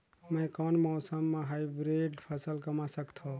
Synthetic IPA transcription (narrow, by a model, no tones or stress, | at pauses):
məjkɔnmɔːsəmːeɦajbɾeɖpʰəsəlkəmasəkt̪ʰõ